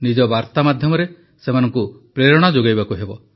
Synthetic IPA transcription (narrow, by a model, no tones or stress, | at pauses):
nid͡ʒɔbaɾt̪amad̪ʱjɔmɔɾe | semanɔŋku | pɾeɾɔɽ̃ɔd͡ʒoɡajbakuɦebɔ